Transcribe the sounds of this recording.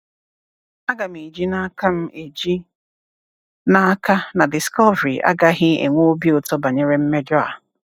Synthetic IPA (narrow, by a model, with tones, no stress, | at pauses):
a˦ɡa˨m̩i˨d͡ʒi˦na˦ka˦m̩˦e˨d͡ʒi˦ | na˦ka˦na˨dɪ˨skɔ˦vɾi˨ʔa̰˦ɡa˦ɦɪ˦ḛ˨ŋʷo˦bi˦o˨tɔ˦ba˨ɲe˦ɾe˦m̩˦me˦d͡ʒɔ˦a̰˨